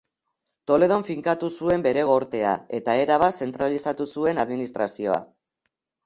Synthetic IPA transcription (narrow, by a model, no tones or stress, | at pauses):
t̪o̞le̞ð̞o̞ɱfiŋkat̪usue̞mbe̞ɾe̞ɣo̞ɾt̪e̞a̰e̞t̪ae̞ɾaβ̞ase̞nt̪ɾalisat̪usue̞naðminist̪ɾasio̞̰a̰